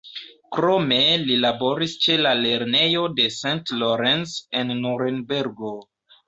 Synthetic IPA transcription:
kɾo̞me̞lilabo̞ɾist͡ʃe̞lale̞ɾne̞jo̞de̞santloɾensenːuɾenbeɾɡo

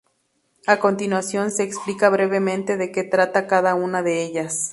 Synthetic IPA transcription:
ako̞nt̪inwasjo̞nseːksplikaβɾeβemẽnt̪e̞ðeket̪ɾat̪akaðaunaðeeʝas

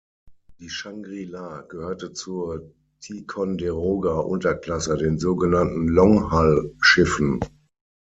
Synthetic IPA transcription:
d̥iːʃaŋɡʁilaːɡ̥əhøːɐtət͡suːɐ | tʰikʰɔndeʁoːɡaʔʊntɐkl̥asədeːnzoːɡənantn̩lɔŋhalʃɪfn̩

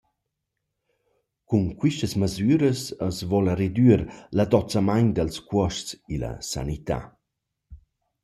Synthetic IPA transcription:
kunkwiʃt̪əsməzyːɾəsəsvɔlared̪yːɾlad̪ɔt͡samaɲd̪əlskwɔʃt͡silɐ̰sa̰nit̪a̰

